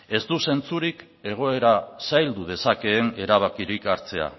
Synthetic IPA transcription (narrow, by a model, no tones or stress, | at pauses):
e̞zt̪use̞nt͡suɾik | e̞ɣ̞o̞e̞ɾasajld̪uð̞e̞sake̞ːne̞ɾaβ̞akiɾikaɾt͡se̞a̰